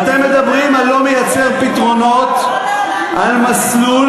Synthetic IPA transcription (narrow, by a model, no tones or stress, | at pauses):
at̪e̞mːed̪abʁimalːo̞mejat͡se̞ʁpit̪ʁo̞no̞t̪ | almaslul